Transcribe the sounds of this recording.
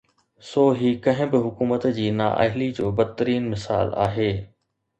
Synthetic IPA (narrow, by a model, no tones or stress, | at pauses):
soːɦiːkɐ̃ɦɪ̃bɪɦʊkuːmət̪d͡ʑiːna̰ːʔɐ̰ɦɪlid͡ʑoːbɐd̪̚t̪əɾiːnmɪsa̰ːla̰ːɦeː